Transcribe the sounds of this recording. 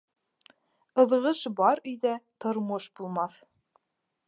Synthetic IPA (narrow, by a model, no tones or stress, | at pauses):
ɤ̆ðʁɤʃbɑɾɵ̆jðæt̪ŏɾmoʃbulˠmɑθ